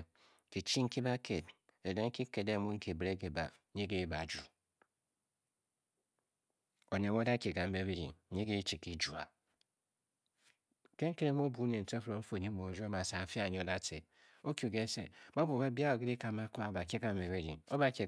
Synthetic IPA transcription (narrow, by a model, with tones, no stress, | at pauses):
ki˨t͡ʃi˦ŋ̩˦ki˦ba˦kʰe˨d | e˨de˦ŋ̩˦ki˦ke˨de˦˨mu˦ŋ̩˦ke˨bɾe˦ɡe˨ba˨˦ɲi˦ɡe˦ba˨d͡ʒu˨ | o˨ne˨m˦o˦da˦ke˨ɡa˨m̩˦be˨˦be˦ɾḭ˨ŋ˦ɲi˦ɡe˦t͡ʃi˨ki˦d͡ʒu˨a̰˨ | ke˦ŋ̩˦ke˦ɾe˦m˦o˦bu˨˦ne˨n̩˨te˦fɾo˨m̩˦fo˨i˦mo˨˦d͡ʒo˦ma˨sa˨˦fa˦˨ɲ˦o˦da˦te˨ | o˦kju˨ɡe˦sḛ˨ba˦bu˨be˦bi˦a˦o˨ɡe˦ɾi˦ka˨ma˦kʷa˦˨ba˨ke˦ɡa˨m̩˦me˨be˦ɾḭ˨ŋo˦ba˦ke˨